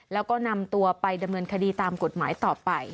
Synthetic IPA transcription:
lɛː˦˥wkɔː˥˩na˧mt̪u˧ɐpa˧jda˧mnɤː˧nkʰa˧diː˧t̪aː˧mko˨˩t̪̚ma̰ː˩˦jt̪ɔː˨˩pa˧j

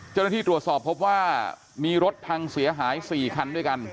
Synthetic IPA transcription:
t͡ɕa˥˩wna˥˩iː˥˩t̪ɾu˨˩ət̪̚sɔː˨˩pʰːo˦˥p̚waː˥˩ | miː˧ɾo˦˥t̪̚t̪ʰa˧ŋsi˩˦ɐɦaː˩˦jsiː˨˩kʰa˧ndu˥˩əjka˧n

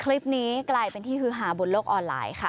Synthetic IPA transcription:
kʰli˦˥p̚niː˦˥klaː˧jpe˧nt̪ʰiː˥˩hɯː˦˥ɦaː˩˦bu˨˩˦nloː˥˩k̚ʔɔː˧nla̰ː˧˩jkʰa˥˩

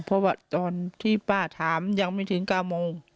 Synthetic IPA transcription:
pʰɔ˧waː˧˩t̪ɔː˨˧nt̪ʰiː˧˥˩paː˧˩t̪ʰaː˨˦mja˧ŋmaː˧˥˩t̪ʰɯ˩˦ŋkaː˥˩wmoː˧ŋ

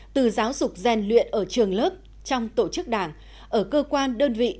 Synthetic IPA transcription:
t̪ɨ˨˩zaː˨˦wzʊ˨˩k͡p̚zɛ˨˩nlwḭ˧˨ənʔəː˧˩t͡ɕɨ˨˩əŋləː˦˥p̚ | t͡ɕɔ˧wŋ͡mt̪o˧˩t͡ɕɨ˦˥k̚ɗaː˧˩ŋ | ʔəː˧˩kəː˧kwaː˧nɗəː˧nvḭ˧˨

